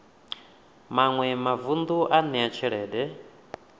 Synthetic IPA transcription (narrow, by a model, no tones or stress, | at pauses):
maŋwɛmavund̪uʔanɛat͡ʃʰɛɺɛːdɛ